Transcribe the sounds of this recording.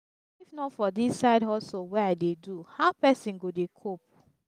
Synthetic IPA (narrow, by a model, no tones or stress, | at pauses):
ifnɔtfɔdisːaɪdɔsowɛadeduhaʊpɛsĩnɡodekʰop̚